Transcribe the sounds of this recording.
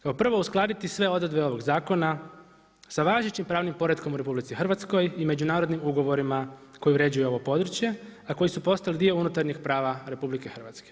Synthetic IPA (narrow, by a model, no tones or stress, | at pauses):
kaopr̩ʋo̞usklˠaːd̪it̪isʋe̞o̞d̪ɾed̪be̞o̞ʋo̞ɡzaːko̞na | saʋaːʒet͡ɕimpɾaːʋnimpo̞ɾed̪ko̞muɾe̞publit̪sixr̩ʋat̪sko̞jime̞d͡ʑunaːɾo̞d̪nimuɡo̞ʋo̞ɾima | ko̞juɾe̞d͡ʑujuo̞ʋo̞po̞d̪ɾ̩t͡ɕje̞ako̞jisupo̞st̪alid̪io̞unut̪aɾɲixpɾaːʋaɾe̞publikexr̩ʋat̪ske